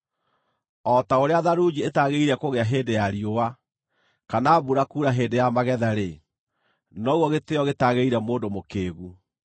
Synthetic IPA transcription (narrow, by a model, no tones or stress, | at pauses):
ɔtaoɾeaðaɾud͡ʑietaɣeiɾɛkoɣeaɦeːndejaɾiowa | kanaːβuɾakuːɾaɦeːndejamaɣɛðaɾe | nɔwɔɣeteɔɣetaɣeiɾɛmoːndomokeːɣu